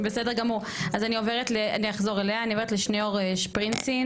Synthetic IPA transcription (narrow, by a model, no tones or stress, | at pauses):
besedeɡamuʁ | azanio̞veʁ̞etlea̰niaχzo̞ʁeleaːnioveetleʃneoʁeʃpʁinsin